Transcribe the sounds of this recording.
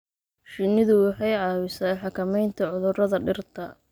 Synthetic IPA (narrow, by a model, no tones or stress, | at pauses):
ʃɪnɪðʊwɑħɑjʕɑːwɪsaːjħɑkʰɐmɛjnt̪ʰɐʕʊðʊrɐðɐɖɪrt̪ʰɐ